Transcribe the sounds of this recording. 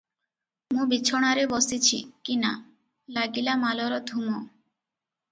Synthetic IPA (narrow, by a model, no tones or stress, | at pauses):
mũbit͡ʃʰɔɽ̃aɾebɔsit͡ʃʰḭkina̰ | laɡilamalɔɾɔd̪ʱumɔ